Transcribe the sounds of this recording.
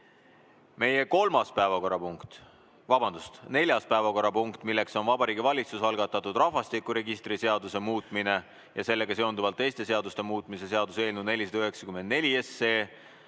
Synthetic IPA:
me̞je̞ko̞lmɑspæevɑko̞ɾɑpuŋkt̪ | vɑbɑnd̪̥ust̪ne̞lʲjɑspæevɑko̞ɾɑpuŋkt̪milːe̞kso̞nvɑbɑɾiːɡivɑlʲit̪susɑlɡ̥ɑt̪ːˑɑt̪ːˑud̪rɑvɑst̪ikːˑuɾe̞ɡist̪ɾise̞ɑd̪use̞muːt̪ˑmine̞ | jɑse̞lːe̞ɡ̥ɑse̞ond̪uvɑlt̪ːe̞jst̪e̞se̞ɑd̪ust̪e̞muːt̪ˑmise̞se̞ɑd̪use̞ːlnud̪ne̞lʲis̬ɑd̪ɑyɦe̞ksɑ̥kymend̪ne̞lʲiesːeː

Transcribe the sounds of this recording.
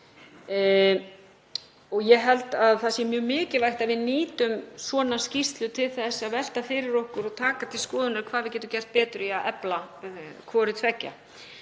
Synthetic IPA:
ɔɣjɛɦɛlt̪aðθasjɛmjœːmɪːcɪlvajht̪aðvɪðniːt̪ʏmsvɔːnascist̪lʏt̪ʰɪlθɛsːaðvɛl̥t̪afɪɾɪɾɔhkʏɾɔt̪ʰaːkat̪ʰɪlskɔːðʏnaɾkʰvaːðvɪðcɛːt̪ʏmcɛr̥t̪̚pɛːt̪ʏɾiaʔɛplakʰvɔːɾɪt̪ʰvɛcːa̰

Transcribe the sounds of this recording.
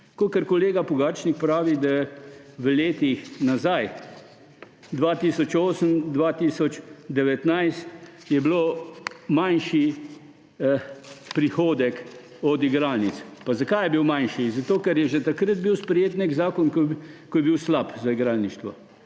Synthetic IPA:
kokəɾkɔleːɡapɔɡaːɾt͡ʃnik̚pɾaːʋid̪aʋəleːt̪ixnazaj | d̪ʋaːt̪iːsɔt͡ʃoːsəmd̪ʋaːt̪iːsɔt͡ʃd̪ɛʋɛt̪najst̪jɛbloːmanʃi | pɾixoːd̪ɛk | ɔd̪iɡɾaːlnit̪spazakajɛbiwmanʃizat̪oːkɛɾjɛʒɛt̪akɾəd̪̚biwspɾɛjeːt̪neɡzaːkɔnkkɔjɛbiwslapzaiɡɾaːlniʃt̪ʋɔ

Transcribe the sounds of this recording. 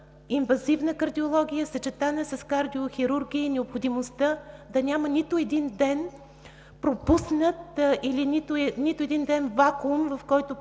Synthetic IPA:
invɐzivnəkɐɾd̪iolˠɔɡʲijəsɐt͡ʃɛt̪anəsɐskaɾd̪ioxʲiɾuɾɡʲiːnɛopxod̪imost̪əd̪ɐnʲamənʲit̪ʊɛd̪ind̪ɛn | pɾopusnət̪̚ilinit̪ʊnit̪ʊɛd̪ind̪ɛnvakumvɐfkɔjt̪ʊ

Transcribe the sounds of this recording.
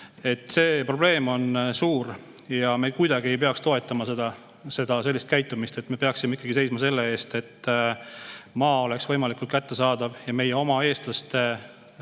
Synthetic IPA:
e̞t̪ːˑse̞ːpro̞b̥le̞ːmo̞nsuːɾ | jɑmekujd̪ɑɡie̞jpeɑkst̪o̞e̞t̪ːˑɑmɑse̞d̪̥ɑ | se̞d̪̥ɑse̞lʲːist̪kæjt̪ːˑumist̪e̞t̪ːˑme̞peɑksime̞ikːˑɑɡise̞jsmɑse̞lːe̞e̞ːst̪e̞t̪ː | mɑːo̞le̞ksvɤ̞jmɑlikult̪̚kæt̪ːe̞sɑːd̪̥ɑvjɑme̞jeo̞mɑe̞ːst̪lɑst̪

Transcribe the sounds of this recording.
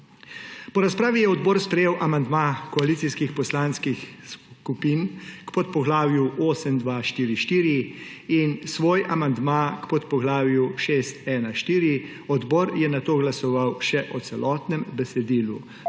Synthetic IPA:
pɔɾaspɾaːʋijɛɔd̪bɔːɾspɾɛjeːwʔamand̪makɔaliːsiskixpɔslanskixskupiːnkpɔt̪̚pɔɡlaːwjuoːsəmd̪ʋaːʃt̪iːɾiʃt̪iːɾiinsʋoːjamand̪maːkpɔt̪pɔɡlaːwjuʃest̪ɛːnaʃt̪iːɾi | ɔd̪bɔːɾjɛnat̪oːɡlasɔʋawʃɛʔɔt̪sɛlʔɔːt̪nɛmbɛsɛd̪iːlu

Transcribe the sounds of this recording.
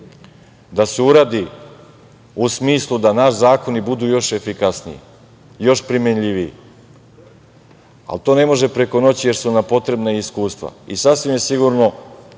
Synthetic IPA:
d̪aseuɾaːd̪i | usmiːslˠud̪anaʃzaːko̞nibud̪uːjo̞ʃe̞fikasnḭḭ | jo̞ʃpɾimenʎiʋijḭ | a̰lt̪o̞ːne̞mo̞ʒe̞pɾe̞ko̞no̞t͡ɕije̞ɾsunampo̞t̪ɾebnaiskuːst̪ʋa̰isasʋimjesiɡuɾno̞

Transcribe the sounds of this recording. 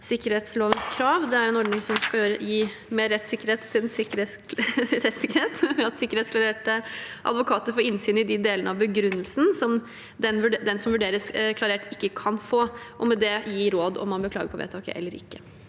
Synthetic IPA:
sɪkːəɾeːt̪sloːʋənskʰɾɑːʋd̪ɛæɾɛnɔɖnɪŋsɔmskɑøːɾəjiː | meːɾɛt̪ːsɪkːəɾheːt̪ʰːɪlɛnsɪkːəɾesɾɛt̪sɪkːəɾheːt̪ʋɛɑt̪sɪkːəɾeːt̪sklɑɾeːʈəʔɑ̰d̪ʋʊkʰɑːt̪əɾfɔɾɪnsyːnəɪd̪ɪd̪eːlənəɑʋbəɡɾʉnːəlsn̩sɔm | d̪ɛnʋʉɖd̪ɛnsɔmʋʉɖeːɾəskʰlɑɾeːʈɪkːəkʰɑnfoːʔɔmɛd̪ɛjiːɾoːd̪ɔ̰mːɑnbəkʰlɑ̰ːɡəɾpʰɔʋḛːt̪ʰɑːkə̰ʔɛ̰lːəɾɪ̰kːə

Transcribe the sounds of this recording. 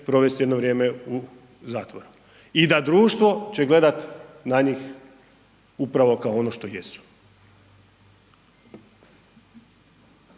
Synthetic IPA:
pɾo̞ʋe̞st̪je̞d̪noʋɾjeːmeu | zaːt̪ʋoɾu | id̪ad̪ɾuːʃt̪ʋo̞t͡ɕe̞ɡle̞d̪at̪naɲiːx | upɾaʋo̞kaoonoʃt̪o̞jesu̥

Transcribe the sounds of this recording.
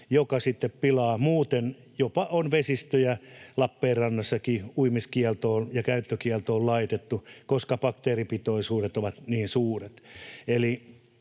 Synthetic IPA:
jokɑsit̪ːeppilɑːmuːt̪en | jopɑonʋesist̪øjælɑpːeːrrɑnːɑsːɑkiuimiskiɛlt̪oːnjɑkæyt̪ːøkiɛlt̪oːllɑit̪et̪ːukoskɑpɑkt̪eːripit̪oisuːɾet̪oʋɑt̪niːnsuːret̪eli

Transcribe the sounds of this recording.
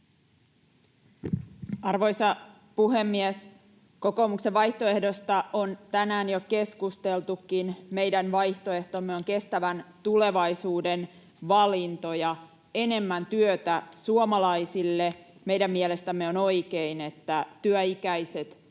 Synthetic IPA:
ɑrʋo̞jsɑ | puɦemːies | ko̞ko̞ːmukse̞ʋʋɑjht̪o̞e̞hdo̞st̪ɑʔont̪ænæːnjoke̞skust̪elt̪ukːinme̞jdænʋɑjht̪o̞e̞ht̪omːeoŋke̞st̪æʋænt̪ule̞ʋɑjsuːden | ʋɑlint̪o̞jɑ | e̞ne̞mːænt̪yøt̪æsuomɑlɑijsilːeme̞jdæmːiele̞st̪æmːeo̞no̞ikeine̞t̪ːæt̪yæikæijse̞t̪

